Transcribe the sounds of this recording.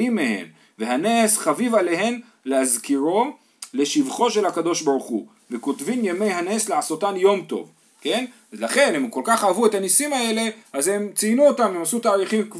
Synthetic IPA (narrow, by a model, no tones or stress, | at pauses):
imːehe̞̰m | ve̞ɦanesχavivale̞he̞n | lehazkiʁo̞ | le̞ʃivχo̞ʃe̞lhakad̪o̞ʃbaʁuχṵ | veko̞t̪vimjeme̞jɦane̞sleaso̞t̪anjo̞mt̪o̞̰v | ke̞n | laχe̞nhemuko̞lkaχavue̞t̪anisimae̞le̞aze̞mt͡sinuot̪amemasut̪aːʁiχimk